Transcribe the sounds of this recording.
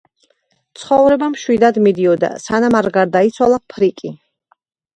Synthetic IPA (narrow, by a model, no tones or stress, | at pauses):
t̪sʰχɔvɾɛbamʃwid̪ad̪mid̪iɔd̪a̰sanamaɾɡaɾd̪ait̪sʰwalˠapʰɾikʼi